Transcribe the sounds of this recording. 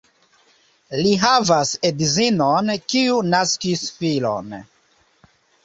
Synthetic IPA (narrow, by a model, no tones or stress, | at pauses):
liɦavasedzinonkiunaskisfilo̰n